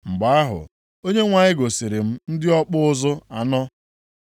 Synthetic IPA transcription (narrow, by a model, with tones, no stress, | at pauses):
ŋ͡m̩˨ɡ͡ba˨a˦ɦʊ̰˨ | o˦ɲe˦ŋʷa˨ɲɪ˦ɡo˨si˨ɾɪ˨m̩˦n̩˦dɪ˦ɔ˦k͡pʊ˦ʊ˦zʊ˦a˨nɔ˦